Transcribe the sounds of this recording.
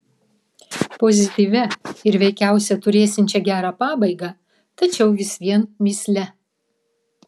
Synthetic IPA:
pozʲɪt̪ʲiːʋʲɛɪɾʋʲɛɪkʲæˑʊsʲɛt̪ʊɾʲeːsʲɪnʲt͡ʃʲɛɡʲæːɾɑːpɑːbɐɪɡɑ | t̪ɐt͡ʃʲɛʊʋʲɪsʋʲiɛnmʲiːsʲlʲɛ

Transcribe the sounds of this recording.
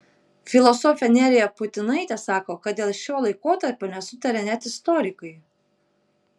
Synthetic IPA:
fʲɪlˠɔsɔfʲɛnʲɛːɾʲɪjɛpʊt̪ʲɪnɐɪt̪ʲɛsɑːkoːkɐt̪̚d̪ʲeːlˠʃʲoːlˠɐɪkoːt̪ɐɾʲpʲoːnʲɛsʊt̪ɐɾʲɛnʲɛt̪ɪst̪ɔːɾʲɪkɐɪ

